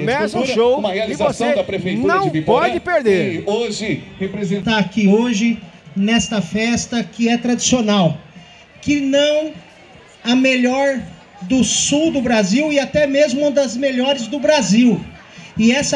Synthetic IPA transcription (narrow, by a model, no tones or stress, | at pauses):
mezuoũmɐhealizasɐ̃w̃d̪ɐpɾefejt̪ɐ̃w̃pet̪puɔd͡ʒɪpeɾd̪eoʒɪhepɾezẽt̪akioʒɪnɛst̪ɐfɛst̪ɐkɪɛt̪ɾad͡ʒisionaw | kɪnɐ̃w̃ | ɐmeʎɔɾ | d̪ʊsuwd̪ʊbɾaziwɪat̪ɛmezmʊũd̪ɐzmeʎɔɾɪzd̪ʊbɾaziw | ɪɛs